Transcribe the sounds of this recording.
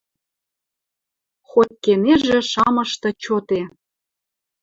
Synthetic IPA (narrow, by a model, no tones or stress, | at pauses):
xot̪̚keneʒĕʃɑmɤ̆ʃt̪ɤ̆t͡ɕot̪e